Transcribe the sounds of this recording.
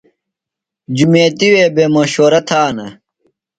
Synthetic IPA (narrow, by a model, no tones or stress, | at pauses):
d͡ʑumeːt̪iweːbemɐɕoːɾɐt̪ʰaːnɐ